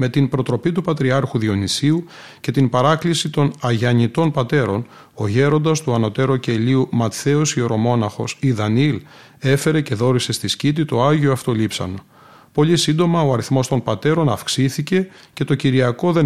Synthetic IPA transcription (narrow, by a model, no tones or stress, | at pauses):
met̪inpɾo̞t̪ɾo̞pit̪upɐt̪ɾiɐɾxuðio̞nisiu | ce̞t̪inpɐɾɐklisit̪o̞nɐʝɐɲit̪o̞npɐt̪e̞ɾo̞n | o̞ʝe̞ɾo̞nd̪ɐst̪uɐno̞t̪e̞ɾo̞ce̞liumɐt̪θe̞osio̞ɾo̞mo̞nɐxo̞̰siðɐnil | e̞fe̞ɾe̞ce̞ðo̞ɾise̞st̪iscit̪̬it̪o̞ɐʝio̞ɐft̪o̞lipsɐ̰no̞ | po̞lisind̪o̞mɐo̞ɐɾiθmo̞st̪o̞npɐt̪e̞ɾo̞nɐfksiθice̞ | ce̞t̪o̞ciɾiɐko̞ðe̞